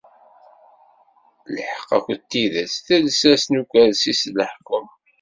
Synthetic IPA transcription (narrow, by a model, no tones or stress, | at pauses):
ləħə̥qːɑ̰kʷt̪ːiðæsθælsæsnukʷæðsisləħkəm